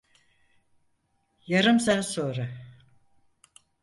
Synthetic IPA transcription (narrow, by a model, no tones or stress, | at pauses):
jaɾɯmsansoːɾa